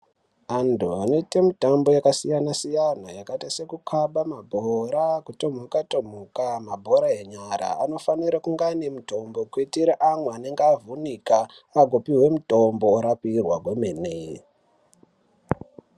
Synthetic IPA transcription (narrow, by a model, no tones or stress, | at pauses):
antuane̞te̞mitambo̞jakasijanasijanajakatase̞kukʰaɓamabʱoɾakuto̞mokato̞m̤ukamabʱo̞ɾaɦe̞ɲaɾa̰ano̞faniɾakuŋɡanemuto̞mbo̞kwitiɾaʔamweane̞ŋɡeavʱunika | aɡʱopiɦwe̞muto̞mbo̞ɾapirwaɡwemeːne